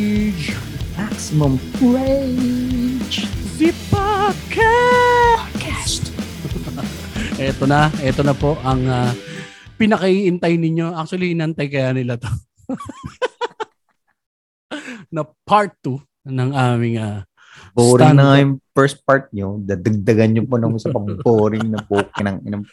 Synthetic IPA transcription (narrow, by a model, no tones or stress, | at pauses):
d͡ʒ | maksɪmɔmpɹe | d͡ʒd̪ɪpakʰa | kʰast̪ | ʔɛːt̪onɐʔɛːt̪onɐpo̞ʔɐŋa | pɪnɐkɐʔiʔɪnt̪ajnɪɲːo̞ʔak̚t͡ʃ̪wɐliʔɪnɐɐnt̪ajkɐjanɪlat̪o | nɐpʰaɹt̪ːu | nɐŋaːmɪŋaː | boːɾɪŋnɐŋɐjʊŋpɛɹst̪̚paɹt̪̚ɲod̪ad̪ɐɡ̚d̪ɐɡɐnɲoponɐmsɐpɐboːɾɪŋnɐpuːkɪnɐŋɪ̰nɐm